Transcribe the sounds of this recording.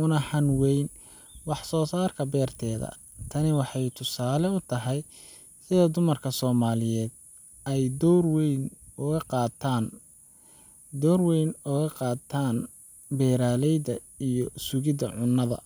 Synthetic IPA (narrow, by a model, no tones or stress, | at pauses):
ʊnɐħɐnwɛjn | wɑħsɔːsaːrkʰɐbɛːrt̪ʰɛːðɐ̰ | t̪ʰɐnɪwɑħɑjt̪ʰʊsaːlɛʊt̪ʰɐɦɛj | sɪðɐd̪ʊmɐrkʰɐsɔːmaːlɪjɛːd̪̚ | ɛjd̪ɔrwɛjnʊɣɐqɑːt̪ʰaːn | d̪ɔwrwɛjnʊɣɐqɑːt̪ʰːaːn | bɛːɾaːlɛjd̪ɐ | ijɔsʊɣɪd̪ɐʕʊnːɐðɐ̰